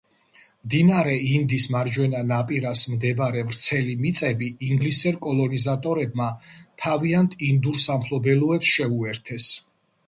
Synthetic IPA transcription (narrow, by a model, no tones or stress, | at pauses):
md̪inaɾɛind̪ismaɾd͡ʒwɛnanapʼiɾasmd̪ɛbaɾɛvɾt̪sʰɛlimit̪sʼɛbiːŋɡlisɛɾkʼɔlˠɔnizat̪ʼɔɾɛb̚mat̪ʰaviant̪ʰind̪uɾsampʰlɔbɛluɛpsʃɛuɛɾt̪ʰɛs